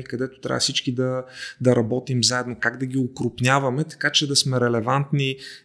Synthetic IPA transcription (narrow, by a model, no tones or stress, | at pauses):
ikɐd̪ɛt̪o̥t̪ɾʲa̰vəsit͡ʃkid̪ɐd̪ɐɾɐbɔt̪imzaɛd̪nokaɡd̪ɐɡʲiokɾʊpnʲjavɐmɛt̪ɐ̥kat͡ʃɛd̪ɐsmɛɾɛlɛvant̪ni